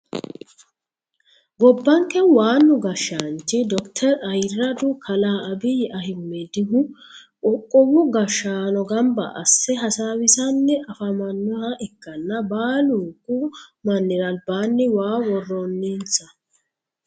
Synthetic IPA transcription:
ɡɔbːɐŋkːɛwaːnːʊɡɐʃːaːnt͡ʃːɪd̪ɔkt̪ʰɛɾɐjrːɐd̪ʊkʰɐlaːɐbɪjɛʔɐhɪmːɛd̪ɪɦʊ | ɔkʼːɔwʊɡɐʃːaːnɔɡɐmbɐ̰ʔɐ̰sːɛɦɐsaːwɪsɐnːɛʔɐfɐmɐnːɔhɐʔɛkːɐnːɐbaːluːkːʊmɐnːɪɾɐlbaːnːɪwaːwɔrːɔnːint͡sɐ

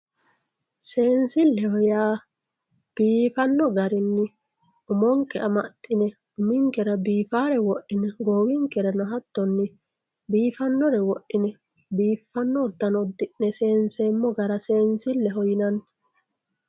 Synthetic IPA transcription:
se̞ːnsɪlːɛhɔjaː | b̥iːfɐnːɔɡɐɾɪnːɪ | ʊmɔŋkːɛɐmɐt̪ʼːɪnɛ | ʊmɪŋkɛɾɐbiːfaːɾɛwɔʔːɪnɛɡoːwɪŋkɛɾɐnɔɦɐt̪ːɔnːɪ | biːfɐnːɔɾɛwɔʔːɪnɛ | biːfːɐnːɔːd̪ːɐnɔd̪ːɪʔːɛseːnseːmːɔɡɐɾɐse̞ːnsɪlːɛɦɔjɪnɐnː

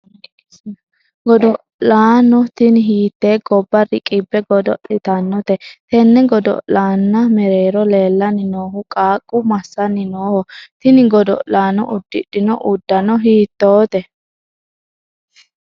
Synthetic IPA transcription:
ɡɔd̪ɔ | laːnɔt̪ɪnɪɦiːt̪ːeːɡɔbːɐɾɪkʼɪbːɛɡɔd̪ɔʔɪt̪ɐnːɔt̪ɛt̪ɛnːɛɡɔd̪ɔ̰laːnːɐmɛɾeːɾɔle̞ːlːɐnɪno̞ːɦʊkʼaːkʼːʊmɐsːɐnɪnoːhɔt̪ɪnɪɡɔd̪ɔ̰laːnɔ̰ʔʊd̪ːɪɗɪnɔʔʊd̪ːɐnɔɦiːt̪ːoːt̪ɛ

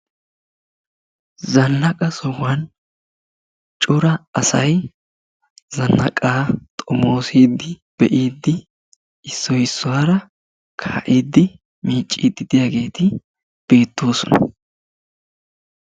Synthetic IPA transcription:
zɐnːɐkʼɐsɔwan | t͡ʃʼʊɾɐɐsɐj | zɐnːɐ̰kʼaːt̪ʼɔmo̞ːsiːd̪ːɪ | b̥ɛʔiːd̪ːɪ | ɪsːɔjɪsːɔwaːɾɐ | kʰaːʔiːd̪ːɪ | miːt͡ʃʼːiːd̪ɪd̪ɪjaɡe̞ːt̪ɪ | b̥e̞ːt̪ːo̞ːsɔnɐ̰

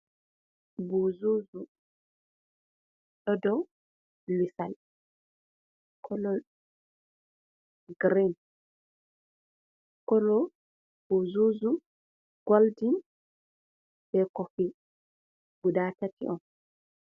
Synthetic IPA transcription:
buzuzu | ɗɔdɔw | lisal | kʰɔlɔ | ɡɾin | kɔlɔ | b̥uzuzu | ɡ̥oldin | b̥ɛkɔfi | ɡudaːtatḭʔɔn

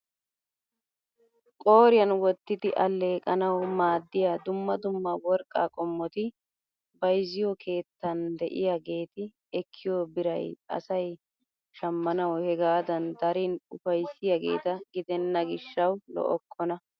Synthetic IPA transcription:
kʼo̞ːɾɪjɐnwɔt̪ːɪd̪ɪʔɐlːe̞ːkʼɐnɐwmaːd̪ːɪjad̪ʊmːɐd̪ʊmːɐwɔɾkʼːa̰ːkʼɔmːɔt̪ɪ | bɐjzɪjɔkʰe̞ːt̪ːɐnd̪ɛʔɪ̰jaɡe̞ːt̪ɪ | ɛkʰːɪjoːbɪɾɐjɐ̰sɐj | ʃɐmːɐnɐwhɛɡaːd̪ɐnd̪ɐɾinʊfɐjsːɪjɐɡe̞̰ːt̪ɐɡɪd̪ɛnːɐɡɪʃːɐwlɔ̰ʔɔkʰːɔnɐ

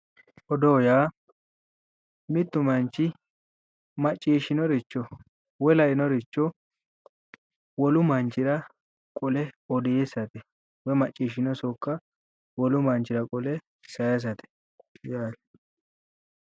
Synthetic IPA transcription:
ʔɔd̪oːjaː | mɪt̪ːʊmɐnt͡ʃːɪ | mɐt͡ʃʼːiːʃɪnɔɾɪt͡ʃːɔ | wɛlɐʔɪnɔɾɪt͡ʃːɔ | wɔlʊmɐnt͡ʃːɪɾɐ | kʼɔlɛɔd̪ɛjesɐt̪ɛ | wɛmɐt͡ʃʼːiːʃɪnɔsɔkːɐ | wɔlʊmɐnt͡ʃɪɾɐkʼɔlɛ | sɐjɐs̬ɐt̪ɛ̥ | jaːl

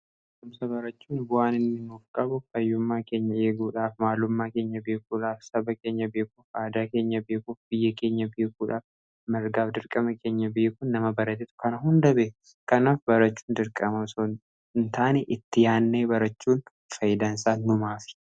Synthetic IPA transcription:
ʔʊmsɐbɐɾɐt͡ʃːuːnbʊʔaːnɪnːɪnʊfkʼːɐbʊɐjːʊmːaːke̞ːɲːɐeːɡuːᶑaːfmaːlʊmːaːke̞ːɲːɐbe̞ːkuːᶑaːfsɐbɐke̞ːɲːɐbe̞ːkuːfaːd̪aːke̞ːɲːɐbe̞ːkuːfb̥ɪjːɐke̞ːɲːɐbe̞ːkuːᶑaːf | mɪɾɡaːfd̪ɪɾkʼɐmɐkʰe̞ːɲːɐbe̞ːkuːnːɐmɐbɐɾɐt̪ɪt̪ʊ̥kɐnɐɦʊnd̪ɐbeː | kɐnaːfbɐɾɐt͡ʃːu̥ːnd̪ɪɾkʼɐmɐsɔ | nt̪aːnɛʔɪt̪ːɪjaːnːeːbɐɾɐt͡ʃːuːn | fɐjɪd̪aːnsaːʊmaːfɪ̥

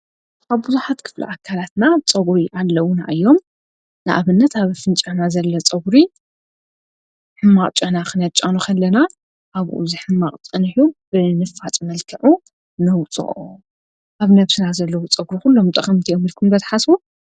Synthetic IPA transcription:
aβbuzuħat̪kʰɨ̥flṵʔakʰːalat̪nat͡sʼɐβɾiʔalːɐwuna̰ʔɨjːom | nɨʔaβɨnːɐt̪aβfɨnt͡ʃʼɐnazɐlːɐt͡sʼɐɡɾi | ħɨmːaχʼt͡ʃʼɐnakʰɨnɐt͡ʃʼːanukʰɐlːɐna | ʔaβʔṵzɨħɨmːaχʼt͡sʼɐnħub̥ɨnɨfːat̪ʼmɐlkʰɐʕu | nɐwt͡sʼɨ̰ʔʼo | ʔaβnɐβsɨnazɐlːɐwut͡sʼɐɡɾixulːomt̪ʼɐχʼɐmt̪ʰijomilkʰumbɐt̪ʰḁħasbu

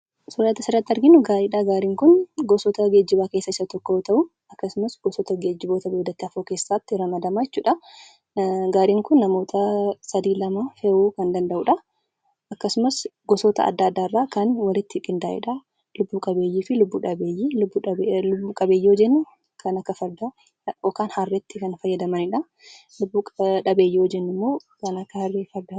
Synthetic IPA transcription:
sɔɾaːt̪ɐsɪɾɐt̪ːɪɐɾɡɪnʊɡaːɾiːᶑaːɡaːɾiːŋkʊnɡɔsɔt̪ɐɡe̞ːd͡ʒːɪbaːke̞ːsːɐɪsːɐt̪ɔkːot̪ɐʔʊ | ɐkːɐsʊmɐsɡ̥ɔsɔt̪ɐɡeːd͡ʒːɪboːt̪ɐbeːd̪ːɐt̪ːɪɐfoːke̞ːsːaːt̪ːɪɾɐmɐd̪ɐmajɛt͡ʃːuːᶑɐ | ɡaːɾiːŋkʊnːɐmo̞ːt̪ʰɐsɐd̪iːlɐmɐfeʔuːkɐnd̪ɐnd̪ɐʔuːᶑɐ | ɐkːɐsʊmɐsɡɔsoːt̪ɐ̰ɐ̰d̪ːaːd̪ːaːɪrːaːkɐnwɐlɪt̪ːɪkʼɪnd̪aːʔɪ̰ᶑɐ | lʊbːuːkʼɐbeːjːiːfɪlʊbːuːᶑɐbeːjibːlʊbːuːkʼɐbe̞ːjːɛod͡ʒɛnːʊ | kʰɐnɐkːɐfɐɾd̪a | ɔkaːnhɐrːɛt̪ːɪkɐnfɐjːɐd̪ɐmɐnɪᶑɐ | lʊbːuᶑɐbeːjːɛod͡ʒɛnːɪmːoː | kɐnɐkːɐhɐrːeːfɐɾd̪a

